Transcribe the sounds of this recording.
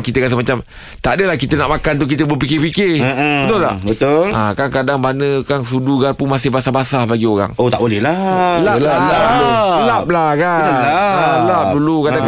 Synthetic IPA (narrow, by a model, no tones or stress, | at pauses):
ŋkit̪əkas̬əmat͡ʃam | t̪adəlahkit̪ənaʔmakant̪uk̬it̪əbəpikɪhpikɪət̪ulla̰bət̪ʊlakaŋkadaŋbanəkaŋsuduɡarpumasɪhbasabasahbaɡioɾa̰ŋot̪aʔbolɛhlalaalalap̚lakaənaalap̚dulukadaŋ